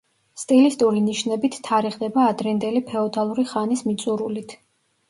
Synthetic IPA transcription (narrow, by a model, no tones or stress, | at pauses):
st̪ʼilist̪ʼuɾiniʃnɛbit̪ʰːaɾiʁd̪ɛbaːd̪ɾɛnd̪ɛlipʰɛɔd̪alˠuɾiχanismit̪sʼuɾulit̪ʰ